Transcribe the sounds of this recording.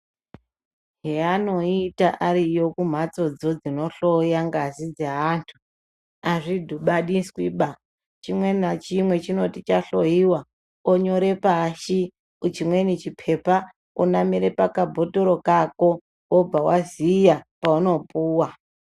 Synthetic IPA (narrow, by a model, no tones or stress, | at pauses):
ɦeano̞itaʔaɾijo̞kum̤at͡so̞d͡zo̞d͡zino̞ɬo̞jaŋɡazid͡zeɦantʰu | aʐidʱuɓaɗiskwiɓa | t͡ʃimwe̞nat͡ʃimwe̞t͡ʃino̞tit͡ʃaɬoiwa | oɲo̞ɾe̞paʃi | ut͡ʃimwe̞nit͡ʃipʰe̞pa | onamiɾe̞pakabʱo̞toɾo̞kako̞ | ob͡vawazijapauno̞puːwa